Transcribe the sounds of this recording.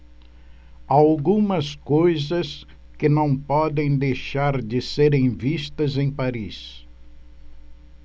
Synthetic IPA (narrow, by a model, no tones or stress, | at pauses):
awɡũmɐskojzɐs | kɪnɐ̃w̃pɔd̪ẽj̃d̪ejʃaɾd͡ʒɪseɾẽj̃vist̪ɐzẽj̃paɾis